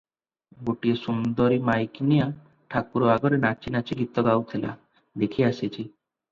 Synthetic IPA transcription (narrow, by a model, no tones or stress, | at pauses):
ɡoʈiesund̪ɔɾimajknija | ʈʰakuɾɔaɡɔɾenat͡ʃʰinat͡ʃʰiɡit̪ɔɡawt̪ʰela̰ | d̪ekʰiasit͡ʃʰi